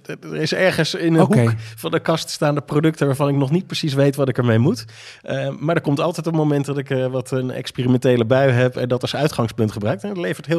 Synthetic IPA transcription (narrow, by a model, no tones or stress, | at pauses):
əɹɪsɛɹχənsɪnɦukfɑndəkɑststaːndəprodɵktəʋaːɹvɑnɪknɔχnit̚prəsis̬ʋejtʋɑtɪkəɹmejmut | maːdəkɔmtɑlˠtɛjtɔpmowmɛntdɑtɪkʋɑtənɛ̰kspiːrimɛntejləbœɥɦɛpɛ̰ndɑtɑlˠsœɥtχɑŋspɵntχəbrœɥktɛnətlejvəɹtɦɪ